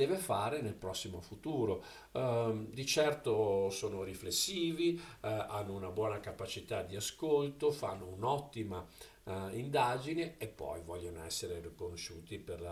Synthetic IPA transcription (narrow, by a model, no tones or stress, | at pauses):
d̪ɛːvefaːɾenelpɾɔsːimofut̪uːɾo | d̪it͡ʃɛrt̪osoːnoɾiflesːiːvia̰nːounabwɔːnakapat͡ʃit̪ad̪iaskolt̪ofa̰nːounɔt̪ːima | ind̪ad͡ʒineepːɔ̰jvɔʎːonoɛ̰sːeɾerikonoʃuːt̪iperla